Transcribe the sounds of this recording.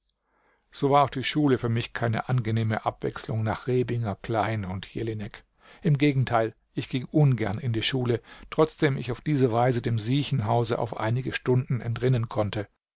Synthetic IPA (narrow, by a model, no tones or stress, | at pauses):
z̥oːvaːɐaʊxd̥iːʃuːləfyːɐmɪçkʰaɪnə̰ʔanɡəneːmə̰ʔapv̥ɛ̰kslʊŋna̰ːχʁeːbɪŋɐkl̥aɪnʊntʰjḛlɪnɛk | ʔɪmɡeːɡŋ̩tʰaɪl | ʔɪçɡ̥ɪŋʔʊnɡɛ̰ɐnɪndiːʃuːlətʁ̥ɔt͡sd̥eːmɪ̰çaʊfd̥iːzəvaɪzədeːmziːçn̩ɦaʊzəʔa̰ʊfʔa̰ɪnɪɡəʃtʊndn̩ɛ̰ntʁɪnənkʰɔntə